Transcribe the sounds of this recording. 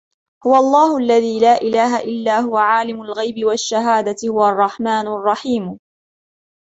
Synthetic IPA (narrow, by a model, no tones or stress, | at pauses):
hʊwaʔɑlˤːɑːhʊʔalːaðiːlaːʔɪlaːɦaʔɪlːaːɦʊwaʕaːlɪmʊlɣajbɪwaʃːaɦaːd̪at̪hʊwaʔɑrˤːɑħmaːnrˤːɑħiːm